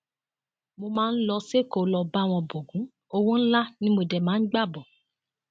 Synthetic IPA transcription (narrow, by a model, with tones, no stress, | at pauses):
mo˧mãː˦n̩˦lɔ˧se˦˨ko˦˨˦lɔ˧ba˦˨w̃ɔ̃˧bo˨ɡũ˨˦ | o˧wũ˦n̩˦la˦nĩ˦mo˧dɛ˨mãː˨˦ɡ͡ba˦˨bɔ˨